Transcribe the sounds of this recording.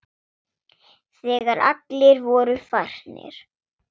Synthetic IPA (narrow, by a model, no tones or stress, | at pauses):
θɛːɣaɾa̰t̪lɪɾvɔːɾʏfar̥nɪ̰ɾ̥